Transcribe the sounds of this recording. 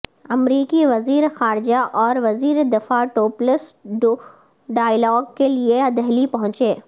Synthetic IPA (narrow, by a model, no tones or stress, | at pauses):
ɐmɾiːkiʋɐziːɾexaːɾɪd͡ʒaʔɔːɾʋɐziːɾed̪ɪfaʈoːpləsɖ | ɖaːjlɔːɡkelieɐd̪əɦlipɐɦʊ̃t͡ʃeː